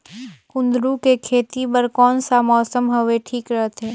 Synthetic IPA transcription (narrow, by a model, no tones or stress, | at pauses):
kʊ̃nd̪ɾukekʰeːt̪ipɐɾkɔːnsamɔːsəmɦɐʋeʈʰiːkɾəɦt̪ɦɛː